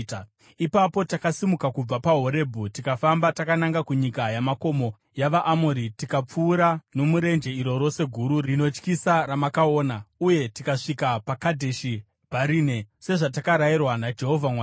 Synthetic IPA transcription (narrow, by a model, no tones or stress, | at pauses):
ipapo̞takasimukakub͡vapaɦo̞ɾe̞bʱutikafambatakanaŋɡakuɲikajamako̞mo̞ | jaʋaʔamoɾitikap͡fuːɾano̞muɾe̞nd͡ʒe̞iɾo̞ɾo̞se̞ɡʱuɾuino̞t͡ʃkisaɾamakao̞ːnauje̞tikaʂikapakadʱe̞ʃi | bʱaɾiːne̞se̞ʐat̬akaɾajirwanad͡ʒe̞ɦo̞vʱamwaː